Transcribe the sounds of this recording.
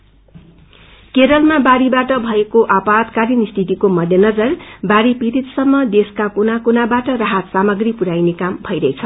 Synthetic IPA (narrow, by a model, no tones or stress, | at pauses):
keɾʌlmabaɾibaʈʌbʱʌekoʔapad̪kaɾinist̪ʰit̪ikomʌd̪ʱjʌnʌd͡zʌrbaɾipiɾit̪sʌmːʌd̪eskakonakonabaʈʌraɦat̪samʌɡripuɾajnekambʱʌjɾʌet͡sʰʌ